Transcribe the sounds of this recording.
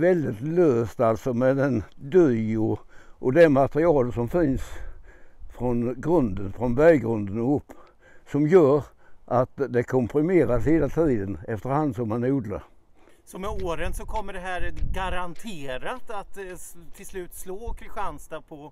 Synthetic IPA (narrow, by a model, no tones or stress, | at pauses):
vɛld̪ɪt̪løːst̪alt̪sɔmɛd̪ɛnd̪ʉʊʔɔd̪ɛmat̪ɾɪɑːləsɔmfɪns | fɾɔnɡɾɵnd̪ənfɾɔnbœɡɾɵnd̪ənɔɵpː | sɔmjœːɾ | ʔat̪d̪ɛkʰɔmpʰɾɪmeːɾasheːlat̪ʰiːd̪ənɛft̪əɾhand̪sɔmhanɛɾuːd̪la̰ | sɔmɛoːɾənsɔkʰɔmːəɖɛɦæːɾɡaɾant̪ʰeːɾat̪at̪t̪ʰːɪlslʉ̟ːt̪sloːkʰɾɪɧanst̪apʰɔ